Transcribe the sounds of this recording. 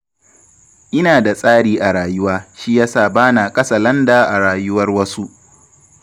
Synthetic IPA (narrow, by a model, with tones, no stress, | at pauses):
ʔɪ˦naː˨da˨sʼaː˦ɽiː˦ʔa˨ɽaː˨jʊ˦waː˦ʃi˦jaː˦saː˨baː˦naː˨kʼɐ˦sa˨lɐ˦ndaː˨ʔa˨ɽaː˨jʊ˦wɐ˦rwɐ˦su˦ʔ